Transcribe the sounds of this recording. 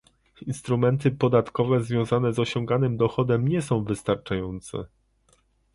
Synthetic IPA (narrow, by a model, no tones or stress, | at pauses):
inst̪ɾumɛnt̪ɘpɔd̪at̪kɔvɛzvʲjɔ̃w̃zanɛzɔɕɔ̃ŋɡanɘmd̪ɔxɔd̪ɛmɲɛsɔ̃w̃vɘst̪aɾt͡ʂajɔnt̪sɛ̰